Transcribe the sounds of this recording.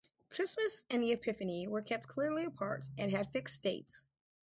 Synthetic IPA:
kʰɹ̥ɪsmɨsɨ̃nðiɨpʰɪfɨniwə˞kʰɛp̚t̚kʰl̥ɪɹliɨpʰɑ̰ɹɾʔɨ̃nɨd̥fɪksd̥eɪts

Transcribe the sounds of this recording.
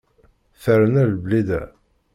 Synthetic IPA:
θəɾənælblid̪æ̰

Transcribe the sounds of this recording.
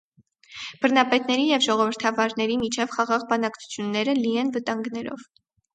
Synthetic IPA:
b̥əɾnɑpɛt̪nɛɾijɛvʒɔʁɔvəɾt̪ʰɑvɑɾnɛɾimit͡ʃʰɛvχɑʁɑʁbɑnɑkt͡sʰu̥t͡sʰjunːɛɾəlijɛnvət̪ɑŋɡnɛɾɔ̰v

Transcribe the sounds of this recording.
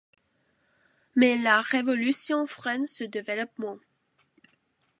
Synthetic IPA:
mɛlaʁevɔlysjɔ̃fʁɛnsəd̪evelɔpmɑ̃

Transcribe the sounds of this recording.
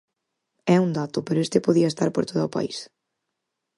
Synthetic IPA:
ɛund̪at̪ʊpeɾʊest̪ɪpoðiɐest̪aɾpo̰ɾt̪oðaopa̰is

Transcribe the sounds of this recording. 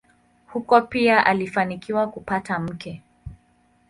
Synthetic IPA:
hukɔpiaʔalifanikiwakupatam̩kʰɛ

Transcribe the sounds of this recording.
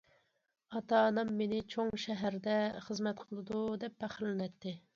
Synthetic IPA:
ɑt̪ɑnɨmːenɪt͡ʃʰoŋʃɛɦæɾd̪ɛχəzmɛt̪qʰəlˠɨd̪ud̪ɛp̚ːæχɾlɪnɛt̪ːɪ

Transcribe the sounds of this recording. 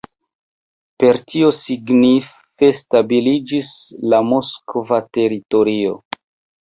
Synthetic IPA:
pe̞ɾtʰio̞siɡnif | e̞stabilid͡ʒislamoskovate̞ɾito̞ɾio̞̰

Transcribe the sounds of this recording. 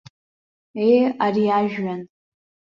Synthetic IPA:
ejariaʒᶣɥan

